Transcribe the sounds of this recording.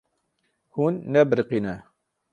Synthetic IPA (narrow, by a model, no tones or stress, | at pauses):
hunːɛbəɾqinɛ